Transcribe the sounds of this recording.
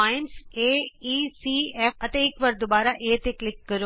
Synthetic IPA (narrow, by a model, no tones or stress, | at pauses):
aːjɪnseːiːsiːɛːɐt̪eɪkʋɐɾd̪obaːɾaʔeːt̪eklɪkːəɾo